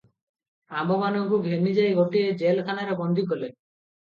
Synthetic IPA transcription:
ambɔmanɔŋkuɡʱenid͡ʒajɡoʈied͡ʒelk̪ʰanaɾebɔnd̪ʱikɔle

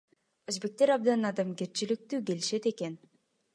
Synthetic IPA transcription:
øzbe̞k̚t̪e̞ɾɑb̚d̪ɑnɑd̪ɑmke̞ɾt͡ʃilɪk̚t̪yːke̞liʃe̞t̪e̞ke̞n

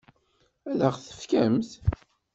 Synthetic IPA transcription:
æləʁθə̥fkæmθ

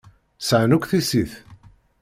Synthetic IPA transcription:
səʕnukʷθisiθ

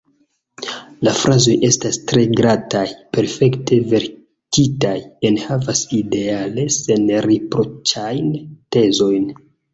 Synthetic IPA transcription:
lafɾazo̞jʔe̞stastɾe̞ɡɾatajpe̞ɾfe̞ktʰe̞ve̞ɾ | titajenhavaside̞ale̞se̞nɾepɾo̞t͡ʃajnte̞zo̞jn

